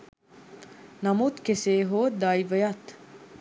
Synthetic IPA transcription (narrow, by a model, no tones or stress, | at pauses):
namut̪keseːɦod̪ajvəjat̪